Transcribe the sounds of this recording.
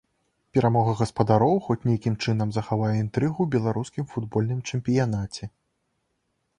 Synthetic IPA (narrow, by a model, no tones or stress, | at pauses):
pʲɛɾamɔɣɐɣɐspɐd̪aɾɔwxɔt͡sʲnʲejakʲimt͡ʂɨnɐmzɐxavajɛint̪ɾɨɣubʲɛlˠaɾuskʲimfud̪bɔlʲnɨmt͡ʂɛmpʲijan̪at͡sʲɛ